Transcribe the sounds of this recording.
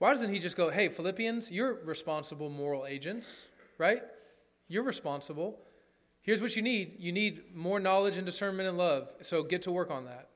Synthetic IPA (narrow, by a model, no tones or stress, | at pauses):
waɪdʌzɨ̃nt̚hid͡ʒʌsɡ̥oʊɦeɪfəlɪpiɨ̃nzjə˞ɹɨspɑ̃nsəbl̩ˠmɔɹl̩ˠeɪd͡ʒɨ̃nts | ɹaɪt̚ | jə˞ɹɨspɑ̃nsəbl̩ˠ | hiɹzwʌt͡ʃɨnidjɨnid̚mɔɹnɑlˠəd͡ʒɨ̃ndɨsɜ̃˞nmɨ̃ñɨ̃nlʌv̥soʊɡɛtʰəwɜ˞kn̩ðæ̰t̚